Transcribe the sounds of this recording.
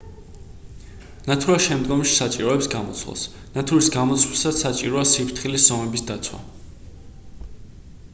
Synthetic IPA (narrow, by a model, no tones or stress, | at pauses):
nat̪ʰuɾaʃɛmd̪ɡɔmʃi̥sat͡ʃʼiɾɔɛpsɡamɔ̰t̪sʰwa̰s | nat̪ʰuɾisɡamɔt̪sʰwlsasat͡ʃʼiɾɔasipʰɾt̪ʰχilisz̥ɔmɛbisd̪at̪sʰwa̰